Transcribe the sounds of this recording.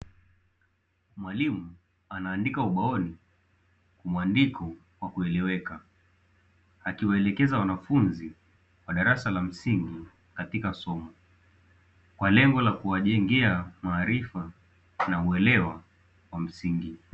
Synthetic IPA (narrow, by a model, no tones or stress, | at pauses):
mwalimu | anaːndikauɓaɔni | kumuandikɔ | wakuɛlɛwɛka | akiwaɛlɛkɛzawanafunzi | waɗaɾasalam̩siŋɡi | katikasɔmɔ | kwalɛŋɡɔlakuwaʄɛŋɡɛamaːɾifa | nauɛlɛwa | wam̩siŋɡi